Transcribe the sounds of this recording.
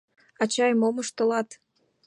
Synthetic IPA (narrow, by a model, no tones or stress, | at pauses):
ɑt͡ɕɑjmoməʃt̪ə̆lɑt̪